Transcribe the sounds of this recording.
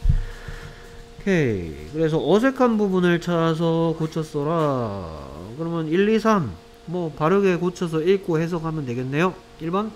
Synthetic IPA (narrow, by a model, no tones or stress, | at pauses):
kʰe̞kɯɾe̞s̬ʰʌʔʌsʰe̞kʰanbubunɯɭt͡ɕʰas̬ʰʌkot͡ɕʰʌs͈ʌɾa | kɯɾʌmjʌniɭːisʰan | mʌpaɾɯɡe̞kot͡ɕʰʌs̬ʰʌiɭk͈ohe̞s̬ʰʌkhamjʌnde̞ɡe̞nːe̞jo | iɭbʌn